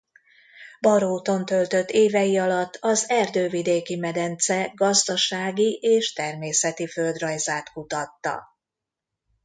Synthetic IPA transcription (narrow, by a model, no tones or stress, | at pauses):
bɒɾoːt̪o̞nt̪ø̞lt̪ø̞t̪ːeːvɛjiɒlɒt̪ːɒzɛrd̪øːvid̪eːkimɛd̪ɛnt̪sɛɡɒzd̪ɒʃaːɡiʔeːʃt̪ɛrmeːsɛt̪iføld̪rɒjzaːt̪kut̪ɒt̪ːɒ̰